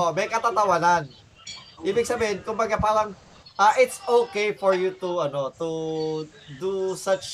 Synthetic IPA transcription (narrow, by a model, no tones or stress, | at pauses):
omɐjkɐt̪at̪awanan | ʔiːbɪk̚sɐbehɪnkʊmbaɡapalaŋ | ʔaʔɪt̪sokejfɔɹjut̪uɐnot̪u | d̪usat͡ʃ